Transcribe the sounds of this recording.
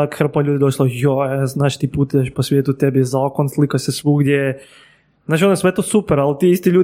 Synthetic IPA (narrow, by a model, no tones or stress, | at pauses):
akxr̩paʎuːd̪id̪oʃlojoeznaːʃt̪ipuːt̪ieʃposʋʲjeːt̪ut̪ebizaːkonslˠikasesʋuːɡd̪ʲjej | znaːt͡ʃonoesʋet̪osupeɾalt̪iːist̪iʎuː